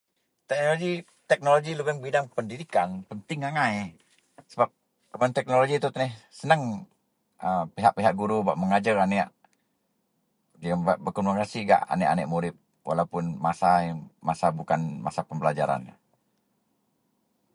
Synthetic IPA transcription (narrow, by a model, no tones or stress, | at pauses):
t̪ɛk̚noloɡi | t̪ɛk̚noloɡilubəŋbidaŋpəndidikanpənt̪ɪŋaŋaj | səbap̚ | kəmant̪ɛk̚noloɡit̪ut̪nɛhsənəŋ | ʔəpiɦaʔpiɦaʔɡuɾubaʔməŋad͡ʒaranɛʔ | aŋbaʔbərkɔnmakasiɡa̰ʔa̰nɛʔa̰nɛ̰ʔmuɾɪp̚ | wʔa̰lawpʊnmasajmasabukanma̰sapəmbəlad͡ʒa̰ɾa̰n